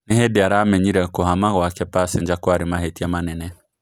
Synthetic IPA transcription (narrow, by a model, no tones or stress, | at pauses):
neɦedeaɾamɛɲiɾɛkoɦamaɣɔakɛpasɪnd͡ʒakwaɾimaɦetiamanɛnɛ